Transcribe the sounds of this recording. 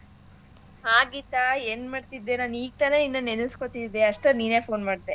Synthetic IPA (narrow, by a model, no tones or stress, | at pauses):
haːɡit̪aeːnmaːɖt̪id̪ːenaːniːɡ̚t̪ɐneninːɐnenuskot̪id̪ːeɐʂʈeniːne̞ːpʰo̞ːnmaːɖt̪e